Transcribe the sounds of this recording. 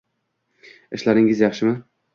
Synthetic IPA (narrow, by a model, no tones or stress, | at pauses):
ɪʃlaɾɪŋɪzjɑχʃɪmɪ